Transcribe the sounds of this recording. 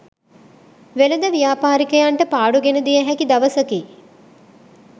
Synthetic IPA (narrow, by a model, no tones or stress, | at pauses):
ʋeləd̪əʋijaːpaːɾikəjaɳʈəpaːɽuɡenəd̪ijəɦɛkid̪aʋəsəki